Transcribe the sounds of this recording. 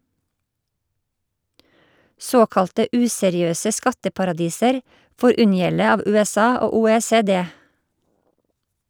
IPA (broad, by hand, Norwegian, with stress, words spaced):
ˈsoːkɑltə ˈʉːsɛɾɪˌøːsə ˈskɑtəpɑɾɑˌdiːsəɾ ˈfoːɾ ˈʉnjɛlə ˈɑːʋ ˌʉːɛˈsɑː ˈoː ˌuːˌeːˌseːˈdeː